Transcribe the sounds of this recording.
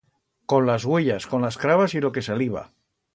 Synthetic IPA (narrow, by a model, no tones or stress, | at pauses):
ko̞nlazɣweʎasko̞nlaskɾaβasilo̞ke̞saliβa̰